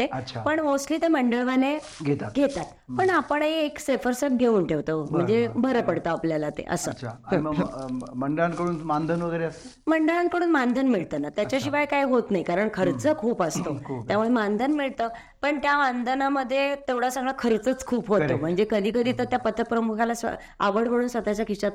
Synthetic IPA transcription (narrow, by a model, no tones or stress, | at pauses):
t̪eət͡ɕʰapəɳosliːt̪eməɳɖəɭʋane | ɡʱet̪at̪ɡʱet̪at̪ | pəɳapəɳɦeːksefəɾsək̚ɡʱeuːnʈʰeʋt̪əm̤əɳd͡zebʱəɾəpəɽt̪aːpljalat̪ḛʔə̰sə̰t͡ɕʰa | məɳɖəɭankəɽuːnmand̪ʱənʋəɡəjɾeəs | məɳɖəɭankəɽuːnmand̪ʱənmiɭt̪ənat̪jat͡ɕjaɕiʋajkajɦot̪najikaɾəɳkʰəɾt͡səkʰuːpast̪okʰːt̪jamuemand̪ʱənmiɭt̪ə | pəɳt̪jaʋand̪ənaməd̪ʱːjet̪eʋɽasãŋɡɭakʰəɾet͡sət͡skʰuːpɦoom̤əɳd͡zekəd̪ʱiːkəd̪ʱiːt̪ət̪japət̪ːəpɾəmukʰalas | a̰ʋəɽʋəɽuːnsʋət̪at͡ɕakʰisat̪